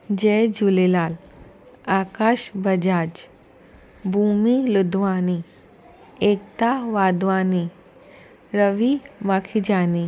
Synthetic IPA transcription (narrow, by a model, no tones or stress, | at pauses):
d͡ʑed͡ʑulelal | akaɕbəd͡ʑad͡ʑ | bʱumilud̪ʋani | ekt̪aʋad̪ʋani | ɾəʋimakʰid͡ʑani